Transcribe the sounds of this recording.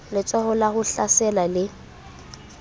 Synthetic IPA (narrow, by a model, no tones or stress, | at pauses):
lɪt͡sʼɔhʊlaɣʊɬasɛlalɪ